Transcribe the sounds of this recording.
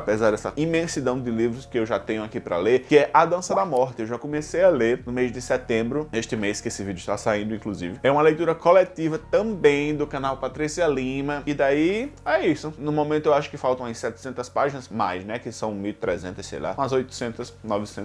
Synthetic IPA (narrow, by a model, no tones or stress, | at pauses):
apezaɾd̪ɛsɐimẽsid̪ɐ̃w̃ɪd̪ɪlivɾʊskɪewʒat̪ẽɲʊakipɾɐ̰leɾkɪɛʔɐad̪ɐ̃sɐd̪amɔɾt̪ɪewʒakõmesejaleɾnʊmejzd̪ɪsɛt̪ẽmbɾʊeʃt̪ɪmeskɪesɪvid̪jʊɪʃt̪asaĩnd̪ʊĩkluzḭvɪɛũmɐlejt̪uɾɐkolet̪ivɐt̪ɐ̃bẽj̃d̪ʊkɐ̃nawpat̪ɾisiɐlĩmɐɪd̪aiɛisʊnʊ̃mõmẽt̪ʊewaʃʊ̥kɪfawt̪ɐ̃w̃ɐsɛt̪ɪ̥sẽnt̪ɐspaʒinɐzmajznɛkɪsɐ̃w̃miwt̪ɾɛzẽnt̪ɐsḛjlã̰ɐzojt̪ʊ̥sẽnt̪ɐsnɔvɪsẽn